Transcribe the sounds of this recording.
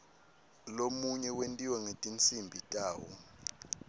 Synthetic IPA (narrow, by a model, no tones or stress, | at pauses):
lomuɲɛwentʼiwɛŋetʼint͡sʰimbʱitʼaːwɔ̰